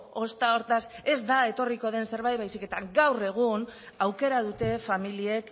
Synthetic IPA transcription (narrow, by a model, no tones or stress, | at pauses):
o̞st̪ao̞ɾt̪ase̞zd̪ae̞t̪o̞riko̞ð̞e̞nse̞ɾβajt̪βajsike̞t̪aɡawre̞ɣ̞un | awke̞ɾað̞ut̪e̞familie̞k